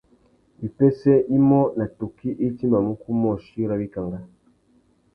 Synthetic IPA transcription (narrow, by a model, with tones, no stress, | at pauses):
i˨pɛ˦sɛ˦i˦mɔ˦na˨to˨ki˦ʔe˦ti˦ma˨mu˦ku˦mɔ˦˨ʃi˦ɾa˦bi˦ka˨ŋɡa˦